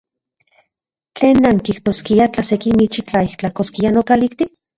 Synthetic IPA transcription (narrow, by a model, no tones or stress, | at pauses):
t͡ɬeːnːaŋkiht̪oskiat͡ɬasekimit͡ʃit͡ɬaiht͡ɬakoskianokalikt̪i